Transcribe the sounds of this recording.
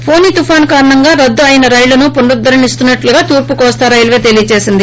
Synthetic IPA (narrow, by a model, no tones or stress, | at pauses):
pʰo̞ːniːt̪ufʰaːnkaːɾɐɳɐŋɡaːɾɐd̪ːuɐjɐnɐɾɐjlunupuɳɖud̪ːɐɾɐnist̪unːɐʈluɡaːt̪uːɾpukɔːst̪aːɾɐjlʋe̞ːt̪e̞lijɐt͡ʃe̞ːsind̪i